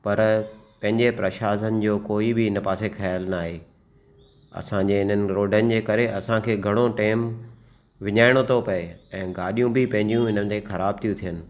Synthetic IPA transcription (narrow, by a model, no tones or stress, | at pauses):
pɐɾpɐ̃ɦɪ̃ɲd͡ʑepɾɐʃaːsənɪ̆d͡ʑoːkoːibɪɪnɐpaːsexɐjaːlnaːɦeː | ɐ̰sãɲd͡ʑeɪnənɪ̆ɾoːɖənɪ̆d͡ʑeːkɐɾeʔɐsãkʰeːɡʱɐɽ̃oʈeːm | ʋɪɲaːɪɽ̃ot̪ʰopɐeɛ̃ːɡaːɗijũbɪpɐ̃ɦɪ̃ɲd͡ʑijũɪn̤ənɪ̆t̪ʰexɐɾaːb̚t̪ʰijũt̪ʰijənɪ̆